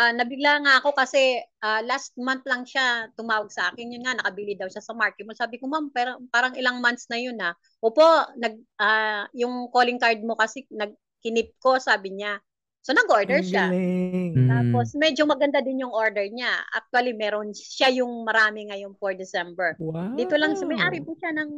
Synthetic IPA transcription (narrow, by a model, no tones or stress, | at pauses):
ʔanɐbɪɡ̚laŋaʔɐko̞kɐsɛʔaːlast̪̚mant̪̚lɐŋʃat̪ʊmaːwɐɡ̚sɐʔa̰ːkɪnjʊnŋanɐkɐbilid̪ɐwʃasɐmaɹkɪmosaːbɪkomampɛːɾopaːɾɐŋɪlaŋmant̪snɐjona | ʔoːpo̞nɐɡ̚ʔajʊŋko̞lɪŋkaɹd̪̚mo̞kɐsɛnɐɡ̚ | kɪnɪp̚ko̞saːbɪɲa | so̞nɐɡʔo̞ɹd̪ɛɹʃa | t̪aːpo̞smɛd͡ʒomɐɡɐnd̪ad̪ɪnjʊŋʔo̞ɹd̪ɛɹɲaʔa̰k̚t̪wɐlimɛːɾonʃajʊŋmɐɾaːmɪŋɐjonfoɹd̪ɪsɛmbɛɹd̪iːt̪olɐŋsɐmɐjʔaːɾɪpʊʃanɐŋ